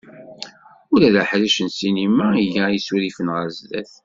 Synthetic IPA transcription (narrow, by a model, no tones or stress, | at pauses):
uɾæðæħɾiʃənsinimaijæjisuɾifənʁəɾzðæ̰θ